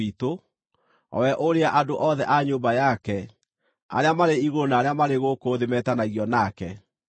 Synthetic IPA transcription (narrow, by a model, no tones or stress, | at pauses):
ito | ɔ̰wɛʔoɾeaʔadoʔɔðɛ̰ʔaɲoːbajakɛ | a̰ɾeamaɾeiɣonaːɾeamaɾeɣokoðemɛtanaiɣiɔnakɛ